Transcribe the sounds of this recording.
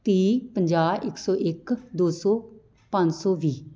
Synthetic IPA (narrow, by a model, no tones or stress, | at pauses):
t̪iːpəɲd͡ʒaːʔɪksɔːʔɪkd̪oːsɔː | pãɲd͡ʒsɔːʋiː